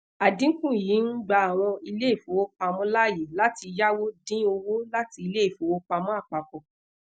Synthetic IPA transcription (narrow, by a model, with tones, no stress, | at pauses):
a˨dĩ˦kũ˦˨jiː˨˦n̩˦ɡ͡ba˧˦a˨w̃ɔ̃˧i˧le˦˨fu˨˦wo˦k͡pa˧mũ˦la˦˨je˨la˨˦ti˧ja˦wo˦dĩ˦o˧wo˦la˦ti˧i˧le˦i˦˨fo˨˦wo˦k͡pa˧mũ˦a˦˨k͡pa˨kɔ˨